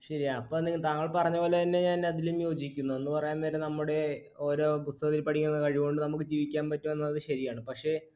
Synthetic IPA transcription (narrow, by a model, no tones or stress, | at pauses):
ɕɐɾijaɐpːoːenːeŋɡit̪aːŋːɐɭpɐrɐɲːɐpo̞ːlet̪ɐnːe̞ɲaːnɐðilumjo̞ːd͡ʑikʲːunːuenːɨpɐrɐjaːnːeːɾenɐmːuɽe̞ | o̞ːɾo̞ːbust̪ɐɐt̪ːilpɐʈʰikʲːunːɐðɨkɐɻiʋo̞ɳɖɨnɐmukːɨd͡ʑiːʋikʲːaːnpɐtːuʋɐnːɐɐðɨɕɐɾijaːɳɨpɐkʂe̞ː